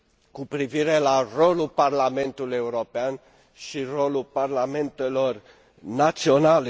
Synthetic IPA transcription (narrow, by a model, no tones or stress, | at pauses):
kupɾiviɾe̞laro̞luparlame̞nt̪uluje̞uɾo̞pean | ʃiro̞lulparlame̞nt̪e̞lo̞r | nat̪sio̞nale